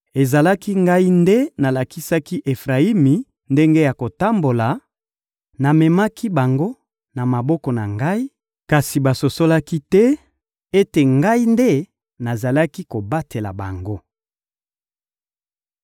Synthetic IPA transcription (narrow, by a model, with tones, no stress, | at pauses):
e˨za˨la˦ki˦ŋɡa˦i˦nde˦na˨la˨ki˦sa˦ki˦ʔe˨fʁa˨i˦mi˨ | nde˦ŋɡe˦ja˨ko˨ta˦mbo˨la˨ | na˨mɛ˨ma˦kʰi˦ba˨ŋɡo˦ | na˨ma˨bɔ˦kɔ˨na˨ŋɡa˦i˦ | ka˨si˨ba˨so˨so˦la˦ki˦tɛ˦ | e˦te˨ŋɡa˦i˦nde˦ | na˨za˨la˦ki˦ko˨ba˦te˨la̰˨ba̰˨ŋɡo˦